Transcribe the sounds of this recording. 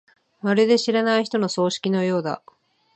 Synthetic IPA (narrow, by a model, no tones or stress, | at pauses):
maɾɯd̪e̞ɕiɾanaiçi̥t̪ono̞so̞ːɕi̥kʲino̞jo̞ːd̪a̰